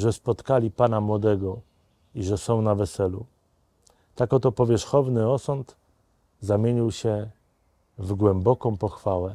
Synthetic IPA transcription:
ʐɛspɔt̪kalʲipanamwɔd̪ɛɡɔ | iʐɛsɔ̃w̃navɛsɛlu | t̪akɔt̪ɔpɔvʲjɛʂxɔvnɘɔsɔnt̪ | zamʲjeɲiwɕɛ | vɡwɛmbɔkɔ̃w̃pɔxfawɛ

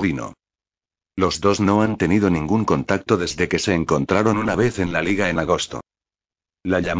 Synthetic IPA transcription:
ino̞̰ | lo̞zðo̞zno̞ant̪e̞niðo̞nĩŋɡuŋko̞nt̪ak̚t̪o̞ðe̞zðe̞ke̞se̞ːŋko̞nt̪ɾaɾo̞nunaβ̞e̞θe̞nlaliɣae̞naɣ̞o̞st̪o̞̰ | laʎam

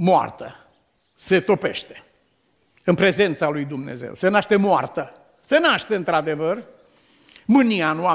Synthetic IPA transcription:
moa̰rt̪ə | se̞t̪o̞pe̞̰ʃt̪e̥ | ɨnpɾe̞ze̞nt̪salujd̪umnḛze̞̰wse̞naʃt̪e̞moart̪ə | se̞naʃt̪eɨnt̪ɾad̪e̞vər | mɨnianua

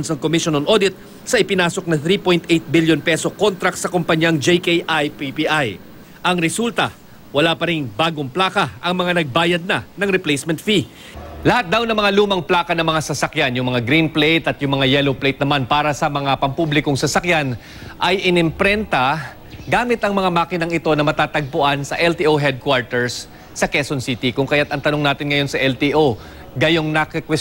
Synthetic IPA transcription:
nsnɐŋkomiʃonɐnʔo̞d̪ɪt̪̚ | sɐʔɪpɪnaːso̞k̚nɐθɾipo̞jnt̪ʔejt̪̚biljonpɛsoko̞nt̪ɾɐkt̪sɐkompɐɲjaŋd͡ʒejkejʔajpipiʔaj | ʔɐŋɾɛsult̪ɐ | wɐlaːpɐɾɪŋbaːɡoŋplaːkɐʔɐŋmɐŋanɐɡ̚baːjɐd̪̚nɐnɐŋɾɛplejsmɛnt̪fi | lɐhat̪̚d̪awnɐŋmɐŋaluːmɐŋplaːkɐnɐmɐŋasɐsɐkjanjʊŋmɐŋaɡɾinplejt̪ɐt̪jʊŋmɐŋajɛloplejt̪̚nɐmanpaːɾɐsɐmɐŋapɐmpublɪkoŋsɐsɐkjan | ʔɐjʔɪnɪmpɾɛnt̪ɐ | ɡaːmɪt̪ɐŋmɐŋamaːkɪnɐŋɪt̪o̞nɐmɐt̪aːt̪ɐɡ̚pʊʔansɐʔɛlt̪iʔoɦɛd̪̚kwaɹt̪ɛɹsː | ɐkɛsonsiːt̪ikʊŋkɐjat̪ɐŋt̪ɐno̞ŋnaːt̪ɪnŋɐjo̞nsɐʔɛlt̪iʔo | ɡɐjo̞ŋnɐkɪkwɛ

